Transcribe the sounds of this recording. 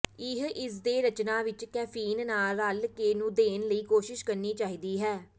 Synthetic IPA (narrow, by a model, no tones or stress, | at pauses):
ɪɦɪs̬d̪eːɾət͡ʃnãːʋɪt͡ʃkɛːpʰiːnːaːlːəlkeːnũːd̪eːnləiːkoːʃɪʃkəɾniːt͡ʃaːiːd̪iːɦɛː